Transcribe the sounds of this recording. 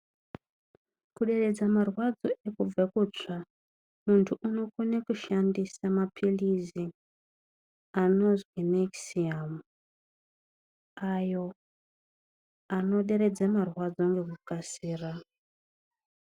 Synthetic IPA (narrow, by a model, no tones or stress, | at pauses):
kuɗe̞re̞d͡zamarwad͡zo̞e̞kub͡vakut͡ʂa | muntʰuʔuno̞kunekuʃandisamapʰilizi | ano̞zwineksiamu | ajo̞ | ano̞ɗe̞ɾe̞d͡zamarwad͡zo̞ŋɡe̞kukasiːra